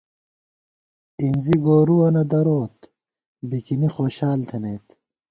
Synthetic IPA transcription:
inziɡoːɾuwɐnɐd̪ɐɾoːt̪ | bikinixoːɕaːlt̪ʰɐneːt̪

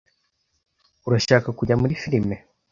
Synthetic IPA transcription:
uɾaʃaːkakuɟamuɾifiɾime

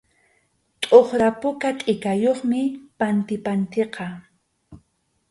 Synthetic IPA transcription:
t̪ʼoχɾapʊkat̪ʼɪkajoχmɪpant̪ɪpant̪eqɑ

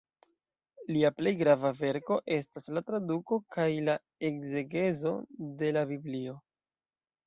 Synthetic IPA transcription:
liaple̞jɡɾavave̞ɾko̞ʔe̞s̬taslatɾaduko̞kajla | e̞kze̞ɡe̞zo̞de̞labiblio̞

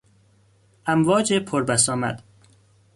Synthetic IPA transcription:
ʔæmvɒːd͡ʒepʰoɾbæsɒːmæ̰d̪̥

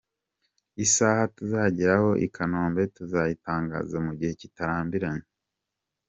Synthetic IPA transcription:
isaːhatuzaːɟiɾaho̞ʔḭkʰanoːmbe̞tuzajitaːŋɡa̰ːzamuɟihe̞citaɾaːmbiɾaɲe

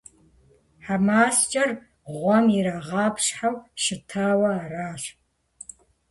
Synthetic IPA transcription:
ħamaːst͡ʃʼɐr | ʁʷɔmiɾaːʁɑːpɕħawʃɪtʰaːwɐaraːɕ

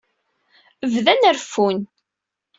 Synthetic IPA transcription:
əvðænəɾfun

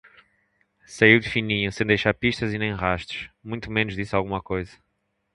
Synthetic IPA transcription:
sɐiwd̪ɨfinĩɲũsẽj̃d̪ejʃaɾpiʃt̪ɐzinẽj̃ʁaʃt̪u̥ʃmũj̃t̪umenuʒðisalˠɣumɐkojzɐ

